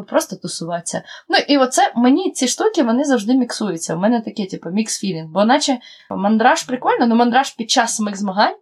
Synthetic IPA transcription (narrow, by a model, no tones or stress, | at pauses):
pɾɔst̪ɔt̪ʊsʊʋɑt͡sʲːɐ̰nuʔiʋɔt̪sɛmenʲit͡sʲiʃt̪ukʲɪʋɔnɪzɐwʒd̪ɪmʲiksujʊt͡sʲːɐʊmɛnɛt̪ɐkʲɪtʲipɐmʲiksfʲiɾʲinbɔnɑt͡ʃɛ | mɐnd̪ɾɑʃpɾɪkʋɔlʲnɔnʊmɐnd̪ɾɑʃpʲid̪̚t͡ʃasːɐmɪɣzmɐɦɑnʲ